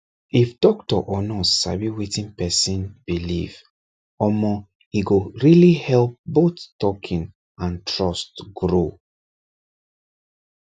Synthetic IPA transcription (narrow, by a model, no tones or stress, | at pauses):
ifdɔktɔ̰ʔɔnɔsa̰biwetĩnpɛsĩnb̥iliv | ɔmɔ | iɡoɹilihɛlp̚boθtɔkʰĩn | ãntʰɹɔstɡɹo